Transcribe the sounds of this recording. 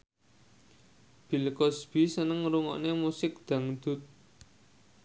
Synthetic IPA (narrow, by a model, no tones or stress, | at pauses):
b̥i̤lkɔsb̥isənəŋɾuŋɔ̰ʔnemusɪk̚d̪̥a̤ŋd̪̥ʊ̤t̪̚